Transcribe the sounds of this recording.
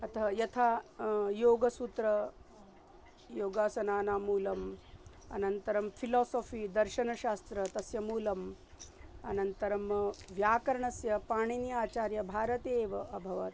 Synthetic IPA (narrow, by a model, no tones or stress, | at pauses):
ɐt̪ʰɐjɐt̪ʰaːjoːɡɐsut̪ɾɐ | joːɡaːsɐnaːnaːmuːlɐm | ɐ̰nɐnt̪ɐɾɐmpʰilɔːsoːfiːd̪ɐɾʃɐnɐʃaːst̪ɾɐt̪ɐsjɐmuːlɐm | ɐ̰nɐnt̪ɐɾɐmʋjaːkɐɾɐɳɐsjɐpaːɳ̃injaːt͡ʃaːɾjɐbʱaːɾɐt̪eːʋɐʔɐbʱɐʋɐ̰t̪